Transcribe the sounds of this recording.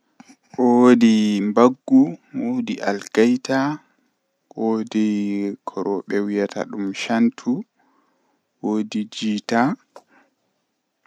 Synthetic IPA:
ʔowdimbaɡːuwodiʔalɡajta | odikʰɔɾɔɓɛwijatʰa̰ɗumʃantʰu | woːdid͡ʒiːta

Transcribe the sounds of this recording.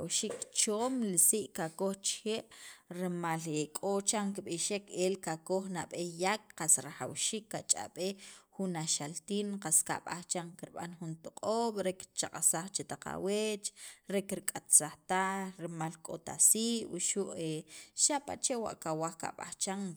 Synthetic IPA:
awʃikt͡ʃoːmlisiʔkakoχt͡ʃxeːʔɾemalekʼot͡ʃaŋkiɓiʃekelkakoχnaɓejak̚qasɾaxawʃiːkːat͡ʃʼa̰ɓexunaʃalt̪iːnqaska̰ɓaχt͡ʃaŋkiɾɓa̰nxunt̪uqʼoːɓɾekt͡ʃaqʼasaχt͡ʃet̪aqa̰wet͡ʃɾekɾikʼat̪saχt̪axɾemalkʼo̰t̪a̰siʔwṵʃuʔeʃapa̰t͡ʃewa̰ʔkawaχka̰ɓa̰t͡ʃaŋ

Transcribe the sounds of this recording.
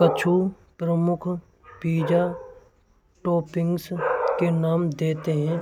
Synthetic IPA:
kət͡ʃʰu | pɾəmʊkʰ | piːd͡ʒa | ʈɔːpɪ̃ŋɡskenaːmd̪eːt̪eɦɛ̃ː

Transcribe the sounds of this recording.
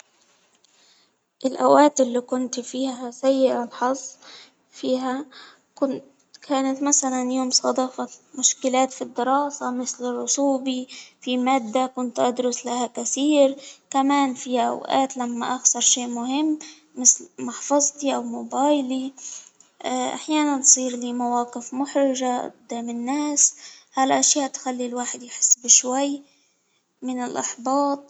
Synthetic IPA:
ʔɪlʔa̰wʔaːt̪ɪlːikʊnt̪ifiːɦasajːɪʔɪlħɑzˤː | fiːɦa | ʊ | kʰaːnat̪masalanjoːmsˤɑd̪ˤɑːfɑmʊʃkɪlaːt̪fid̪ːɪɾɑːsamɪslɪrˤːʊt̪uːbifimaːd̪ːakʊnt̪ʔad̪ɾʊslahakasiːɾkamaːnfiaʔa̰wʔa̰ːt̪lamːaʔaxsɑɾˤʃeːʔmʊhɪmː | ɪslmɑħfɑzˤt̪ˤiʔawmobɑːjli | ʔa̰ħjaːnant̪sˤiːɾliːmawɑːqɪfmʊħɾɪʒaʔʊ̰d̪ːaːmɪnːeːshalʔaʃjaːʔt̪xalːilwaːħɪd̪jħɪ̥sːbɪʃwaj | mɪnɪlʔɑ̰ħbɑːt̪̚ˤ

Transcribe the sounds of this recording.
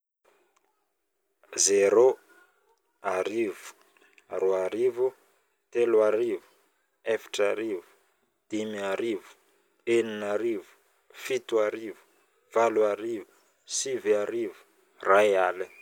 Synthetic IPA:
zeɾo | aɾivu̥ | roaɾivu | t̪eluaɾivu̥ | efi̥ʈ͡ʂaɾivu̥ | d̪̥imiaɾivu̥ | eninaɾivu̥ | fit̪uaɾivu̥ | v̥aluaɾivu̥ | siviaɾivu̥ | rajali

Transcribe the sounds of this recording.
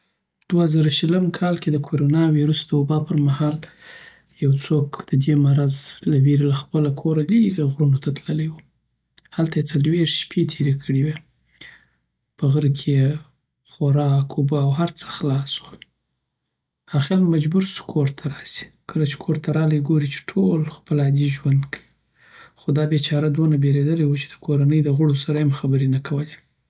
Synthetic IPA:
d̪̥wazɑɾaʃələmkʰɑlked̪əkʰoɾonɑwiɾusd̪̥əobɑpəɾmahɑl | jawt͡sokd̪̥əd̪emaɾazlaweɾilaxpəlakʰoɾaliɾiɣɾunot̪ʰat̪ləlejwu | halt̪ajet͡salweʂʃpʰet̪ʰeɾekʰəɽewe | pəɣəɾkʰeje | xoɾɑkobaːwɦaɾt͡sə̥xlɑswəl | ɑxelmmad͡ʒbuɾsu̥kʰoɾt̪ʰaɾɑsi̥kʰəlat͡ʃe̥kʰoɾt̪ʰaɾɑlajɡoɾit͡ʃe̥ʈʰolxpəlɑd̪iʒwand̪kʰawi | xod̪ɑbet͡ʃɑɾad̪onabeɾed̪əlawut͡ʃe̥d̪əkʰoɾanəjd̪əɣʊɽosaɾajamxabəɾenakʰawəle

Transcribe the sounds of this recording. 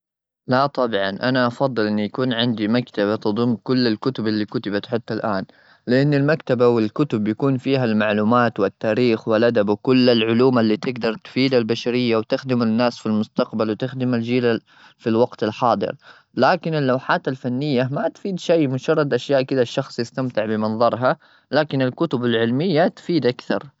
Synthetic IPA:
lat̪ˤɑbʕɑnʔanaʔɑfɑd̪ˤːɨlʔɪnːjakuːnʕɪnd̪imakt̪abat̪ɨd̪ˤʊmːkʊlːɪlkʊt̪ʊbɪlːikʊt̪ɪbat̪ħɪt̪ːalʔaːn | lɪʔanːɪlmakt̪abawɪlkʊt̪ʊbjakuːnfiːɦalmaʕluːmaːt̪wɪt̪ːaːɾiːxwɪlʔad̪abwkʊlːalʕʊluːmalːiːt̪ɪɡd̪ɑɾˤt̪fiːd̪albaʃaɾɪjːawt̪ɪxd̪ɪmanːaːsfilmʊst̪aqbalwɪt̪ɪxd̪ɪmald͡ʒiːla | filwɑɡt̪alħɑːd̪ˤɨ̰ɾ | laːkɪnɪlːawħaːt̪alfanːɪjːamat̪fiːd̪ʃijːmʊd͡ʒɑrˤːɑd̪ʔaʃjaːʔkɪd̪aʃːɑxsˤjɪst̪amt̪ɪʕbɪmɑnðˤɑɾˤɦa | laːkɪnɪlkʊt̪ʊbalʕɪlmɪjːat̪fiːd̪ʔakθɑ̰ɾˤ

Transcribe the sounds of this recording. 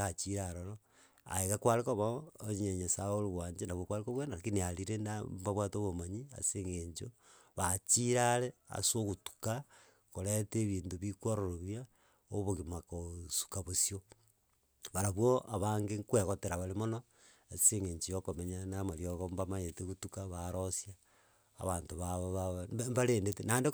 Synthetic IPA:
at͡ʃiɾaɾoɾo | a̰eɣakwaɾekoβaːɲeɲesaoluɣwaːɲd͡ʒenaβwokwaɾikoβwenaakiniaɾiɾenabaβwaːtoβomaɲia̰seːŋɡeɲt͡ʃoβat͡ʃiɾalea̰soɣutu̥ka | koɾeteːβiːntoβikwoɾoɾoβja | oβoɣimakosu̥kaβosio | βaɾaβwoʔaβaŋɡeŋkweɣoteɾaβalemono | aseŋɡeːɲd͡ʒijokomeɲanamaɾjoɣombamajeteɣutukaβaɾosja̰ː | βaːntoβaβoβaembaɾeːndetenande

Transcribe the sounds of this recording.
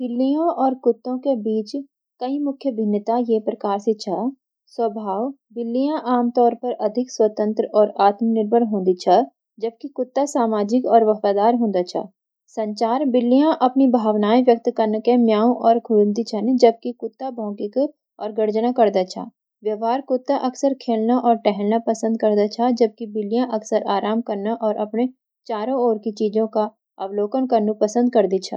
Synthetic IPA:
b̥ɪlːijõʔɔːɾkʊt̪ːõkebiːt͡ʃ | kɐĩmʊkʰjəbʱɪnːət̪ajepɾɐkaːɾset͡ʃʰɐ | swəbʱaːʋ | bɪlːijãʔaːmt̪ɔːɾpɐɾɐd̪ʱɪkswət̪ə̃nt̪ɾəɔːɾaːt̪mənɪɾbʱəɽɦõːnd̪it͡ʃʰɐ | d͡ʒɐb̚kikʊt̪ːasaːmaːd͡ʒɪkɔːɾʋɐfaːd̪aːɾɦõːnd̪at͡ʃʰɐ̰ | sɐ̃ɲt͡ʃaːɾbɪlːijãʔɐpnibʱaːʋnaːiʋjək̚t̪kəɾnkenjaːõʔɔːɾkʰʊlnd̪it͡ʃʰɛned͡ʒɐb̚kikʊt̪ːabʱɔ̃ːkɪk | ɔːɾɡɐɾd͡ʒnakɐɾd̪at͡ʃʰa̰ | ʋjɐʋaːɾkʊt̪ːaʔɐksəɾkʰeːlnaʔɔːɾʈɛɦɛlnapɐsə̃nd̪̚kɐɾd̪at͡ʃʰad͡ʒɐb̚kibɪlːijãʔɐksəɾaːɾaːmkɐɾnaʔɔːɾʔɐpne | t͡ʃaːɾõoːɾkit͡ʃiːd͡ʒõka | ɐʋloːkənkəɾnupɐsə̃nd̪̚kɐɾd̪it͡ʃʰa

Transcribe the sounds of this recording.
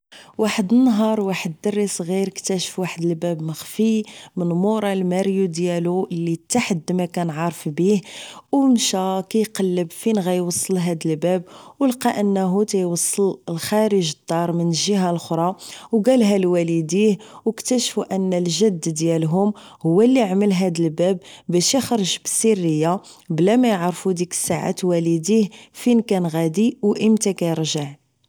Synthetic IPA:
waħəd̪ənːɦɑɾˤwaħəd̪ːɑrːisˤɣiɾəkt̪æʃfwaħəd̪əlbæbməxfimənmuɾˤɑlmæɾjud̪jælulːit̪ːaħəd̪ːmækænʕɑɾˤfbihwnʃækæjqɑlːəbfinɣæjwɑsˤːəlɦæd̪əlbæbwəlqɑʔənːɦut̪æjwɑsˤːələlxæɾəʒəd̪̥ˤːɑɾˤmənʒiɦælxɾˤɑwɡælɦælwælid̪ihwəkt̪æʃfuʔənːəlʒəd̪ːd̪jælɦʊm | hʊwːælːiʕməlɦæd̪əlbæbbæʃjəxɾˤəʒbəsirːəjːa | blæmæjəʕɾˤfud̪ikə̥sːaʕa̰t̪wælid̪ihfinkænɣæd̪iwʔəmt̪ækæjəɾʒəʕ

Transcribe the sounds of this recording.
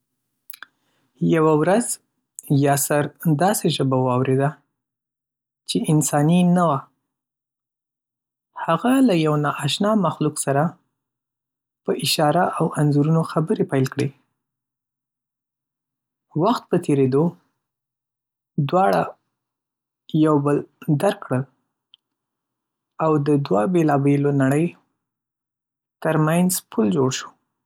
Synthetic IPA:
jawawɾaz | jɑsaɾd̪ɑseʒəbawɑwɾed̪a | t͡ʃeʔɪnsɑninawa | haɣalajawnɑʔaʃnɑmaxluksaɾa | pəʔɪʃɑɾaʔawanzuɾunoxabəɾepajlkɽe | waxt̪̚pət̪ʰeɾed̪o | d̪wɑɽa | jawbəld̪aɾkːɽəl | awd̪əd̪wabelɑbelonaɽəj | t̪əɾmanzpʰuld͡ʒoɽʃu̥

